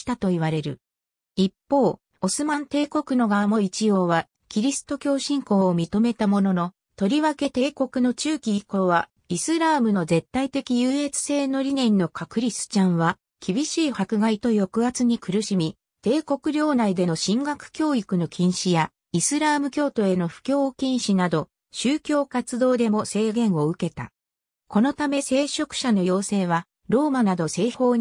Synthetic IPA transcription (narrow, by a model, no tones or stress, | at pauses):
t̪at̪o̞iβaɾe̞ɾɯ̟̰ | ipːo̞ː | o̞sɨmãnt̪e̞ːko̞kɯ̟no̞ɡaːmo̞it͡ɕijo̞ːβa | kʲiɾʲisɨ̥t̪o̞kʲo̞ːɕĩŋko̞ːmʲit̪o̞me̞t̪amo̞no̞no̞ | t̪o̞ɾʲiβake̞t̪e̞ːko̞kɯ̟no̞t͡ɕɨːkʲiiko̞βa | isɨɾaːmɯ̟no̞ze̞t̪ːait̪e̞kʲijɯːe̞t͡sɨ̥se̞ːno̞ɾʲinẽ̞nːo̞kʰakɯ̟ɾʲisɨ̥t͡ɕãɰ̃βa | kʲibʲiɕiːhakɯ̟ɡait̪o̞jo̞kɯ̟at͡sɨɲ̟ikɯ̟ɾɯ̟ɕimʲi | t̪e̞ːko̞kɯ̟ɾʲo̞ːnaid̪e̞no̞ɕĩŋɡakɯ̟̥kʲo̞ːikɯ̟no̞kʲʰĩɰ̃ɕija | isɨɾamɯ̟kʲo̞ːt̪o̞e̞no̞ɸɯ̟̥kʲo̞ːkʲĩɰ̃ɕinad̪o̞ | ɕɨːkʲo̞ːkat͡sɨd̪o̞ːd̪e̞mo̞se̞ːɡẽ̞ɰ̃o̞ɯ̟ke̞t̪a̰ | ko̞no̞t̪ame̞se̞ːɕo̞kɯ̟̥ɕano̞jo̞ːse̞ːβa | ɾo̞ːmanad̪o̞se̞ːho̞ːɲ